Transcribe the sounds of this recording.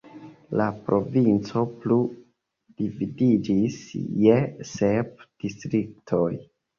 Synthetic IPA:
lapɾo̞vint͡so̞plu | d̥ividid͡ʒisjesep̚d̥istɾik̚tʰo̞j

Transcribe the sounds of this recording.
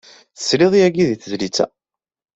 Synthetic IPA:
θə̥sːlɪðˤiæɡiðiθəzlit͡sːæ̰

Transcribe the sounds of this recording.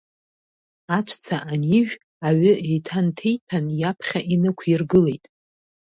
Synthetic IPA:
at͡ʃʷʰt͡sʰaʔaniʒᶣ | aɥʏe̞jtʰantʰejtʰanjapʰχʲaʔinɨkʷʰirɡɨle̞jtʼ

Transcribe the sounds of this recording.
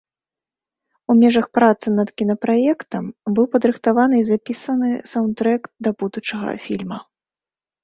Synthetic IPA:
umʲɛʐɐxpɾat̪sɨnɐt̪kʲinɐpɾajɛkt̪ɐmbɨwpɐd̪ɾɨxt̪avanɨizapʲisɐnɨsawnt̪ɾɛkd̪ɐbud̪ut͡ʂɐɣɐ̰fʲilʲmɐ

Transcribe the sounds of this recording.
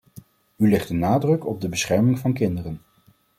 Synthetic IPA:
ylɪχdənaːdrɵkɔb̚dəbəsχɛɹmɪŋvɑnkɪndərən

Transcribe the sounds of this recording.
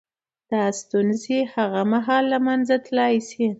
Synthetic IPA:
d̪̥ɑst̪unzehaɣamaɦɑlːamanzat̪lɑjsi

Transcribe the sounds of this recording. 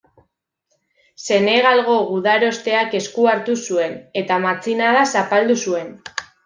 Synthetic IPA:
se̞ne̞ɣ̞alɣo̞ɣuðaɾo̞st̪e̞ake̞skuaɾt̪usue̞ne̞t̪amat͡sinaðasapald̪usue̞n

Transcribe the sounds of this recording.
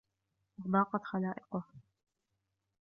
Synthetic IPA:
ʔɑɣd̪ˤɑːqɑt̪xalaːʔɪqʊ

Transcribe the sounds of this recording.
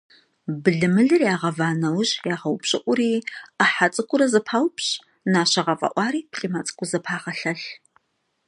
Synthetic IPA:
bɨɮɨmɨɮɨrjaːʁɐvaːnɐwʑjaːʁɐwpɕʼɪʔʷʼʊɾiːaħat͡sʼɨkʷʼʊɾɐzɐpʰaːwpɕ | naːɕɐʁɐfʼɐ̰ʔʷɑːɾiːpʰɬʼimat͡sʼɨ̥kʷʼʊzɐpʰaːʁɐɬɐɬ

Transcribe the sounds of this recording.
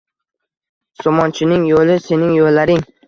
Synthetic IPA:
somɒnt͡ʃʰɪnɪŋjolɪse̞nɪŋjolːaɾɪŋ

